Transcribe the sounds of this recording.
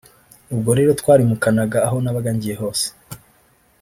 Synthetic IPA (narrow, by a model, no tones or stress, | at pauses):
ub̚ɡo̞ɾe̞ːɾo̞tkwaːɾimukanaɡaːɦo̞naβaɡaɲɟije̞ɦo̞ːse̥